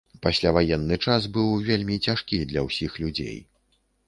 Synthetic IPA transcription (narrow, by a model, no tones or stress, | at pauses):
pasʲlʲavajɛnːɨt͡ʂas̬bɨwvʲelʲmʲit͡sʲaʂkʲid̪lʲɐwsʲixlʲud͡zʲḛj